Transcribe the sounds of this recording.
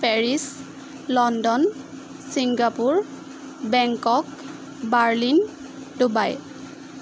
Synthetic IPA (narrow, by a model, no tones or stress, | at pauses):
pɛɹis | lɔndɔn | siŋɡapuɹ | bɛŋkɔk | baɹlin | dubaj